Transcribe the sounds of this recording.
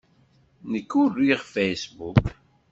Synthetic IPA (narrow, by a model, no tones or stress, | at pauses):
nəkːʊriʁfejsbuk